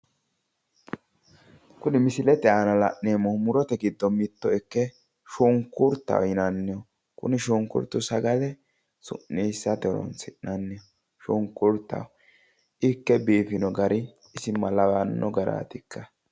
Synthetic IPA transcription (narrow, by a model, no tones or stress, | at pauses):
kʊnɪmɪsɪlɛt̪ɛaːnɐlɐ̰ʔneːmɔmʊɾɔt̪ɛɡɪd̪ːɔmɪt̪ːɔɛkːɛ | ʃɔŋkːʊɾt̪ːɐ̰wɪnɐnːɪjɔ | kʊ̰nɪʃɔŋkːʊ̰ɾt̪ːʊsɐɡɐd̪ɛ | sʊ̰ʔːeːsːɐt̪ɛlɔ̰nsɪʔnɐnːɪjɔ | ʃɔŋkːʊɾt̪ːɐ̰w | ɪkːɛbiːfɪnɔɡɐɾɪ | ɪsɪmɐlɐwɐnːɔɡɐɾa̰ːt̪ɪkʰːɐ